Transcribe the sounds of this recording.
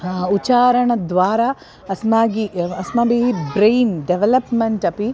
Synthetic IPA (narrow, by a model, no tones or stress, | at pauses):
ut͡ʃaːɾɐɳɐd̪ʋaːɾaː | ɐsmaːɡiɐsmaːbiːɦibɾejnɖeʋelɐpmeɳʈɐpi